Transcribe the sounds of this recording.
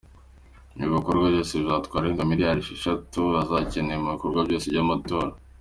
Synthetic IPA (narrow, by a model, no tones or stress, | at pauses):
miβikoɾɡwaβɟo̞ːseβzaːtkwaːɾeŋɡamiɾjaɾiʃeʃatuazacenemuβikoɾɡwabɟo̞sevɟamato̞ːɾa